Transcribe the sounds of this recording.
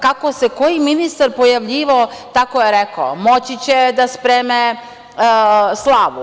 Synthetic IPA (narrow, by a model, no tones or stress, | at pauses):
kako̞seko̞jiminist̪aɾpo̞jaʋʎiːʋaot̪akojeɾekamo̞t͡ɕit͡ɕed̪aspɾeːme | slˠaːʋu